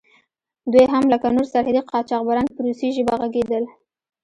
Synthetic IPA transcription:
d̪wujɦamləkanoɾsaɾhad̪iqʰɑt͡ʃɑqbaɾɑnpəɾusiʒəbaɣaɡed̪əl

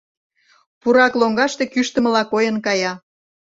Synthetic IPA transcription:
puɾɑkloŋɡɑʃt̪ekyʃt̪ə̆mə̆lɑkojənkɑjɑ

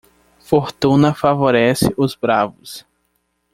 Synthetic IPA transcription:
foɾt̪ũnɐfavoɾɛsɪʔʊzbɾavʊs

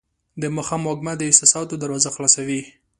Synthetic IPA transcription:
d̪əmʊxamɑɡmad̪əɪsɑsɑt̪od̪aɾwɑzaxlɑsawi

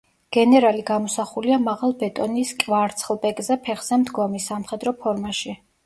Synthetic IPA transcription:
ɡ̥ɛnɛɾaliɡamɔsaχuliamaʁalˠbɛt̪ʼɔniskʼvaɾt̪sʰχlˠbɛkʼzɛpʰɛχz̥ɛmd̪ɡɔmisːamχɛd̪ɾɔpʰɔɾmaʃi

